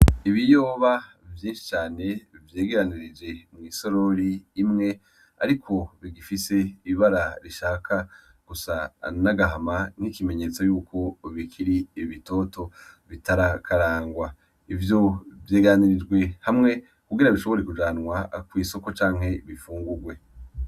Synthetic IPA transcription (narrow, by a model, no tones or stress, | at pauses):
iβijo̞ːβa | vjĩːnʃi̥t͡ʃaːne̞vjeːɡeɾaniɾid͡ʒe̞mŋiːso̞ɾo̞ɾiːmŋe̞ | a̰ɾikʰo̞βiɡifise̞iβaɾaɾiʃaːkʰa | ɡ̥usanaɡaɦaman̥hikime̞ɲe̞ːt͡so̞juːkʰo̞βikʰiɾiβito̞ːtʰo̞βitaɾakʰaɾaːŋɡwa | ivjo̞vjeːɡeɾaniɾid͡ʒɡwe̞hamŋe̞ | kuɡiɾaβiʃo̞βo̞ɾekud͡ʒaːnwakwiːso̞ko̞t͡ʃaːŋ̥he̞βifuːŋɡuɾɡwe̞